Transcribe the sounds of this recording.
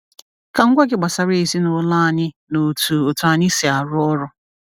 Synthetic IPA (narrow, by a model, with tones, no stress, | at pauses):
ka˨ŋ̩˦ɡʷa˦ɡɪ˦ɡ͡ba˨sa˨ɾe˦e˨si˦nʊ˨la˦˨ɲɪ˦ | no˨tu˨o˨tu˨a˨ɲɪ˦si˨a˨ɾʊ˦ɔ˦ɾʊ˦